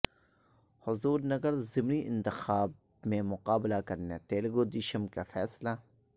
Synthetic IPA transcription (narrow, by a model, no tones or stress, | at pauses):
hʊzuːɾnɐɡəɾzɪmniʔɪ̰̃nt̪ɪxaːb̚ | mẽmʊqaːblakɐɾnet̪eːlɡod̪ɪʃəmkafɛːsla